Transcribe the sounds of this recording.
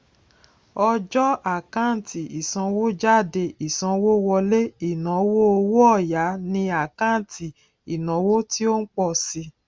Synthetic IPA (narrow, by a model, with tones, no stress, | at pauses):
ɔ˧d͡ʒɔ˦a˨kã˦˨tʰi˨i˨sã˧wo˦d͡ʒa˦˨de˧i˨sã˧wo˦wɔ˧le˦i˦˨nã˨˦wo˦o˧wo˦ɔ˦˨ja˨˦nĩ˧a˦˨kã˦˨ti˨ | i˨nã˨˦wo˦ti˦o˦n̩˦k͡pɔ˦˨si˧